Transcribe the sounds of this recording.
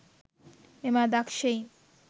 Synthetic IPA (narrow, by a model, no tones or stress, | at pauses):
memad̪akʃej